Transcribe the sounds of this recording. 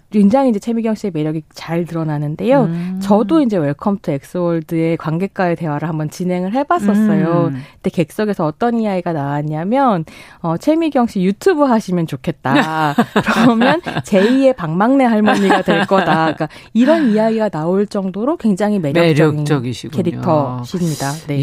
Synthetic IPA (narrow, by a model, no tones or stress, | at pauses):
kweŋd͡ʑaŋind͡ʑe̞t͡ɕʰemiɡjʌŋɕ͈ʰieme̞ɾjʌɡit͡ɕaɭtɯɾʌnanɯnde̞jot͡ɕʌdoind͡ʑe̞weɭkʰʌmtʰɯek̚s͈ɯwʌɭdɯe̞kwaŋɡe̞k͈aete̞waɾɯɦhambʌnt͡ɕinɦe̞ŋɯɭɦe̞bas͈ʌs͈ʌjoite̞ke̞k̚s͈ʌɡe̞sʰʌːt͈ʌnijaɡiɡanaaɲamjʌnʌt͡ɕʰe̞miɡjʌŋɕijutʰubɯɦaɕʰimjʌnt͡ɕokʰe̞t̚t͈akɯɾʌmjʌnt͡ɕe̞ie̞paŋmaŋne̞ɦaɭmoɲiɡadwe̞ɭk͈ʌdak͈a | iɾʌnijaɡiɡanaoɭt͡ɕ͈ʌŋdoɾokweŋd͡ʑaŋɦime̞ɾjʌkt͡ɕɡint͡ɕʌɡiɕʰiɡkʰeɾitʰʌɕʰimɲidane̞